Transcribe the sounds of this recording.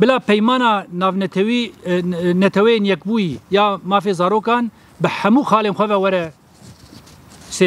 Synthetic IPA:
bɪlaːpɛjmɑːnɑːnɑːvnɛt̪ʰɛwi | nɛt̪ʰɛwɛjeːnjɛkbuːjijɑːmɑːfeːzɑːɾoːkɑːn | bɨhɛmuːxɑːleːnxʷɛvɛwɛɾɛ | seː

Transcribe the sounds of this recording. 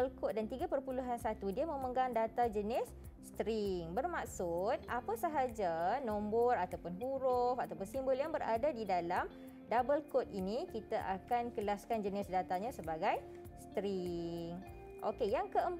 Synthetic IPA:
əlkɔt̪̚dant̪iɡapərpuluɦansat̪udiamə̃məŋɡaŋdat̪ad͡ʒənɪsː | t̪ɾiŋbərmaksʊt̪̚apasəɦad͡ʒanombɔrat̪awpʊnɦuɾʊfat̪awpʊnsimbəljaŋbəɾa̰dadidalam | dabəlkot̪̚inikit̪aʔakankəlaskand͡ʒənɪsdat̪aɲãsəbaɡaj | st̪ɾiŋ | ʔokejaŋkəəm

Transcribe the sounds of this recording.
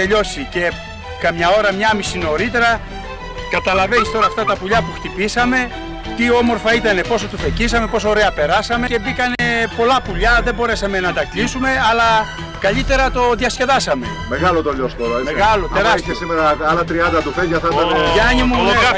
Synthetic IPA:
eʎo̞sice̞ | kɐmɲɐo̞ɾɐmɲɐmisino̞ɾit̪e̞ɾɐ | kɐt̪ɐlɐve̞nist̪o̞ɾɐːft̪ɐt̪ɐpuʎɐpuxt̪ipisɐme̞ | t̪io̞mo̞ɾfɐit̪ɐne̞po̞s̬ot̪ufe̞cis̬ɐme̞po̞s̬o̞oɾeɐpe̞ɾɐsɐme̞ebikɐne̞po̞lɐpuʎɐðe̞bo̞ɾe̞sɐme̞nɐt̪ɐklisume̞ɐlɐ | kɐʎit̪e̞ɾɐt̪o̞ðiɐsce̞ðɐsɐme̞ | meɣɐlot̪oʎost̪oɾɐmeɣɐlot̪eɾɐsesimeɾɐɐlɐt̪ɾiɐnd̪ɐt̪ufeʝɐθɐɐeɐɲimu

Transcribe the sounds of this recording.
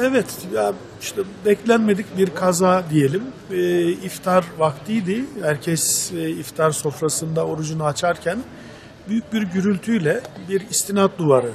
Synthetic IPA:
ɛvɛt̪ja | iʃt̪ʰɛbɛclʲænme̞d̪icbiɾkʰazaːd̪ije̞lʲimː | ift̪ʰaɾvakt̪ʰɯjd̪ɪhæɾcʰɛsift̪ʰaɾso̞fɾasɯnd̪ao̞ɾud͡ʒunuat͡ʃʰaɾcʰæn | byjyc̚biɾɟyɾylʲt̪ʰyjlʲɛbiɾist̪ʰinat̪̚d̪uvaɾɯ

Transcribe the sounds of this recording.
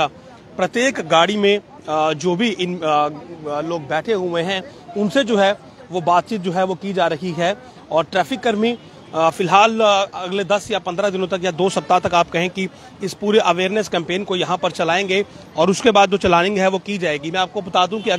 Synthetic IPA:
a | pɾɐt̪jeːkɡaːɽimẽ | d͡ʒoːbʱiʔɪn | loːɡ̚bɛːʈʰeɦueɦɛ̃ | ʊnsed͡ʒoːɦɛ | ʋobaːt̪̚t͡ʃiːt̪̚d͡ʒoːɦɛʋokid͡ʒaːɾɐɦiɦɛː | ɔːɾʈɾɛːfɪkːɐɾmi | fɪlɦaːlɐɡled̪ɐsjapɐ̃nd̪ɾad̪ɪnõt̪̬ɐkjad̪oːsɐp̚t̪at̪ɐkaːpkɐɦẽki | ɪspuːɾeʔɐʋeːɾnəskɛ̃ːmpeːnkojɐɦãpɐɾt͡ʃɐlaːẽŋɡeːɔːɾʊskebaːd̪̚d͡ʒoːt͡ʃɐlaːnɪ̃ŋɡɦɛʋokid͡ʒaːeːɡimɛ̃aːp̚kobɐt̪aːd̪iɦũkiɐ

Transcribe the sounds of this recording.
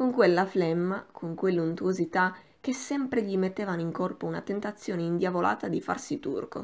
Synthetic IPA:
koŋkwelːaflɛmːakʰoŋkwelːunt̪uozit̪a | k̟esːɛmpɾeʎimet̪ːeːvanoiŋkorpouna̰t̪ent̪at̪sːjoːneind̪javolʔa̰ːt̪ad̪ifa̰rsit̪ṵrko̰

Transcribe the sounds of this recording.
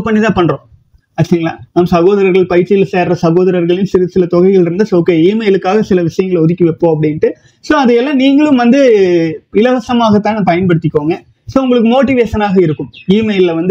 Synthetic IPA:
pːɐɳːit̪ãːpɐɳːɾõː | ɐt͡ʃːɐɾɪŋɐɭla̰ːnaːmsɐɣoːðɐɾɐɾɣɐɭpɐjɪɾʈt͡ʃːɪjɪlseːɾrɐsɐɣoːðɐɾɐɾɣɐɭjʊnsɪɾsɪlɐt̪ɔɣɐɪɣɐɭɪɾɯnd̪ɐsoːkːeːiːmɐɪlɯkːaːɣɐsɪlɐʋɪʂɐjɐŋɡɐɭɔðɪkːɯʋɛpːoːɐp̬ːɐɽɪnʈɯ | soːɐðɐjɛlːãːniːŋɡɐɭɯmʋɐnd̪ɯ | ɪlɐʋɐsɐmaːɣɐt̪ːãːnpɐjɐnpɐɽɯt̪ːɪkːoːŋɡɐ | soːʊŋɡɐɭɯk̬ːɯmoːʈːɪʋeːʂɐnaːɣɐɪɾɯkːɯmiːmɐɪlɪlɐʋɐnd̪

